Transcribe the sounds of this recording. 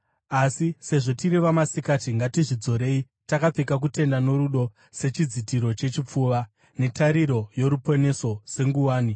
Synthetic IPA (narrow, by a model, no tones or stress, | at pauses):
asise̞ʐo̞tiɾiʋamasikatiŋɡatiʐid͡zo̞ɾe̞i | takap͡fekak̬ute̞ndano̞ɾuɗo̞ | se̞t͡ʃid͡zitiɾo̞t͡ʃe̞t͡ʃip͡fuʋa | ne̞taɾiɾo̞jo̞ɾupo̞ne̞so̞se̞ŋɡuwaːni